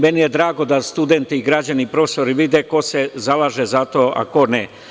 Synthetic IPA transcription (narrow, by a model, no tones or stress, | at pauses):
menije̞d̪ɾaːɡo̞d̪ast̪ud̪ent̪iiɡɾad͡ʑanipɾofe̥so̞ɾiʋid̪eko̞se̞zalaːʒe̞zat̪o̞ːa̰ko̞ne